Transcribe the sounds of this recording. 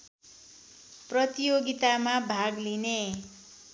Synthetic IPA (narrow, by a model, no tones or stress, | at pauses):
prʌt̪ijoɡit̪amabʱaɡline